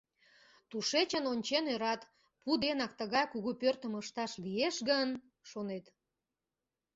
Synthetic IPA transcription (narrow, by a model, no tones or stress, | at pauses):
t̪uʃet͡ɕənonʲt͡ɕenøɾɑt̪ | pud̪enɑk̚t̪əɣɑjkuɣupørt̪əməʃt̪ɑʃlieʃɣən | ʃonet̪